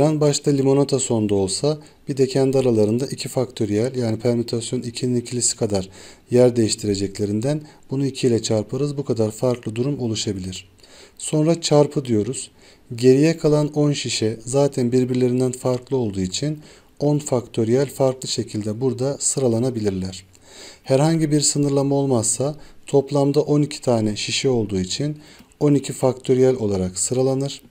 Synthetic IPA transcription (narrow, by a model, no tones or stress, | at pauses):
ɾanbaʃt̪ʰalʲimo̞not̪ʰaso̞nd̪ao̞lˠsa | b̥id̪e̞cʰænd̪aɾalˠaɾɯnd̪aʔicʰifakt̪ʰo̞ɾijælʲjaːnipʰæɾmot̪ʰasjo̞nicʰininicʰilʲisi̥kʰad̪aɾjæɾd̪e̞jiʃt̪ʰiɾe̞d͡ʒɛclʲe̞ɾind̪ænbunuicʰilʲɛt͡ʃʰaɾpʰɯɾɯzbukʰad̪aɾfaɾklˠɯd̪uɾumo̞lˠuʃabilʲiɾ̥ | so̞nɾat͡ʃʰaɾpʰɯd̪ijo̞ɾuz̥ | ɟe̞ɾijɛkʰalˠano̞nʃiʃɛzaːt̪ʰænbiɾbiɾlʲe̞ɾind̪ænfaɾklˠɯo̞lˠd̪uːit͡ʃʰin | o̞nfakt̪ʰo̞ɾijælʲfaɾklˠɯʃe̞cʰilʲd̪ɛbuɾd̪asɯɾalˠanabilʲiɾlʲæɾ̥ | hæɾɦaɲɟibiɾsɯnɯɾlˠamao̞lˠmazsat̪ʰo̞plˠamd̪aʔo̞nicʰi̥t̪ʰaːnɛʃiʃɛo̞lˠd̪uːit͡ʃʰino̞nicʰifakt̪ʰo̞ɾijælʲo̞lˠaɾaksɯɾalˠanɯɾ̥